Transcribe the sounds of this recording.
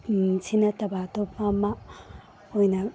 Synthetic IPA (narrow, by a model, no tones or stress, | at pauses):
sʰinɐtɐbatopʰama | ojnɐ